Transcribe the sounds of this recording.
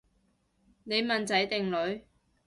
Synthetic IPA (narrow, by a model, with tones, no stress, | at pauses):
ne˨˧jmɐ˨˩nt͡sɐ˨˥jt̪ɪ˨ŋlɵ˨˧ɥ